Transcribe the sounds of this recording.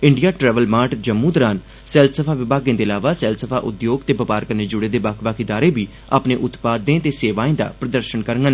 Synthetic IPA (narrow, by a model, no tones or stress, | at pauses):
ɪɳɖijaːʈɾɛːʋəlmaːʈd͡ʒəmːũːd̪əɾaːn | sɛːlt̪səpʰaːʋɪbʱaːɡjãːd̪eːlaːʋaːsɛːlsəpʰaːʔʊ̰d̪joːɡt̪eːbəpaːɾkəɾneːd͡ʒʊɽeːd̪eːbaːkʰʋaːked̪aːɾeːbiː | a̰ːpneːʔʊt̪paːd̪ːẽːt̪eːseːʋaːẽːd̪a̰ːpɾəd̪əɾʃənkəɾŋən